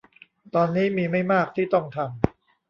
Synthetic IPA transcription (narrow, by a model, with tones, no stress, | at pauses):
t̪ɔː˧nːiː˦˥miː˧ma˥˩jmaː˥˩k̚t̪ʰiː˥˩t̪ɔ˥˩ŋt̪ʰa˧m